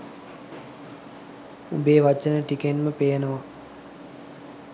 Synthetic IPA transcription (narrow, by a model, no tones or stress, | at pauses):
ṵbeːʋat͡ʃənəʈikenməpeːnəʋa